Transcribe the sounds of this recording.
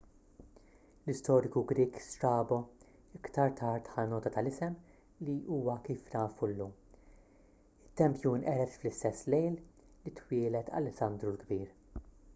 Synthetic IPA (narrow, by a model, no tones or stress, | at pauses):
lɪst̪ɔːɾɪkuɡɾiːkst̪ɾɐːbɔ | ɪkt̪ɐɾt̪ʰɐːɾt̪ħɐnɔːt̪ɐt̪ɐlɪsɛm | liʔuːwɐkiːfnɐːfulːuːm | ɪt̪ːɛmpjuːnʔɛɾɛt̪flɪst̪ɛsːlɛjl | lit̪wɪːlɛt̪ʰɐ̰lɛsːɐnd̪ɾulɡbiːɾ